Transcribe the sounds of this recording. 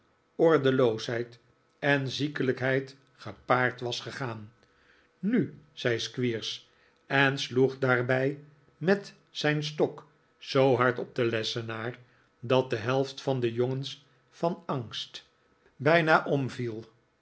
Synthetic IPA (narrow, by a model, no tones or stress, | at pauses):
ɔɹdəlowsɦɛjt | ɛnzikələkɦɛjt | χəpaːɹtʋɑsχəχaːn | nyz̥ɛjskʋiːɹs | ɛnsluχdaːɹbɛj | mɛt | zɛjnstɔk | z̥owɦɑɹtɔb̚d̪əlɛsənaːɹ | dɑt̚dəɦɛlˠftfɑnd̪əjoŋəns | fɑnɑŋst | bɛjnaʔɔmvilˠ